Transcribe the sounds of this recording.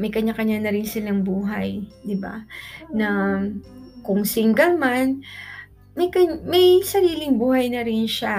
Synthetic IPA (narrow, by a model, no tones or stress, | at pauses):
mɐjkɐɲːakɐɲːanɐɾɪnsɪlaŋbuːɦɐjd̪ɪba̰nɐ | kʊŋsɪŋɡɐŋman | mɐjkɐɲmɐjsɐɾiːlɪŋbuːhɐjnɐɾɪnʃa